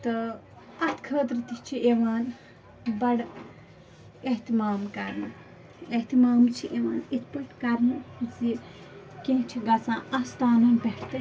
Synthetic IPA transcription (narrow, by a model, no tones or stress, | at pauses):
t̪ɨ | ɐt̪ʰkʰəːt̪ɾɨt̪it͡ʃʰieʋaːn | bɐɽ | eɦt̪imaːmkɐɾnɨ | eɦt̪imaːmt͡ʃʰiʔeʋaːnit̪ʰpəʈkɐɾnɨzi | kẽːt͡ʃʰiɡɐt͡sãːɐst̪aːnɐnbeʈʰt̪ɐ